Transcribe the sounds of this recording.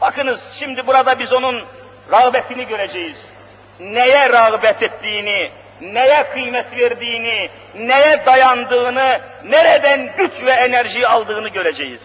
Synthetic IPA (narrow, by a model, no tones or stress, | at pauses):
bakʰɯnɯz̥ʃimd̪ibuɾad̪abizo̞nun | ɾɑɣbɛt̪ʰiniɟø̞ɾed͡ʒɛjiz̥ | nejɛɾɑɣbɛt̪ʰɛt̪ʰːiːni | nejɛkʰɯjmɛt̪veɾd̪iːni | nejɛd̪ajand̪ɯːnɯ | neɾɛd̪ænɟyt͡ʃvɛenæɾʒijiɑlˠd̪ɯːnɯɟø̞ɾed͡ʒɛjiz̥